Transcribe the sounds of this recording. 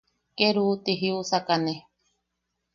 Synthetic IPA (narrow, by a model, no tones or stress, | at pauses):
keɾuːt̪iɦiusakane